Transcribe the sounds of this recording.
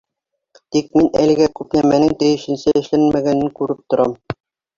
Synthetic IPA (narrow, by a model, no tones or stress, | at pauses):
t̪ik̚minæ̰lɘ̆ɡækʉpnæmænɘŋt̪æjɘ̆ʃɘ̆nsɘɘ̆ʃlænmæɡænɘŋkʉɾɘp̚t̪ŏɾɑm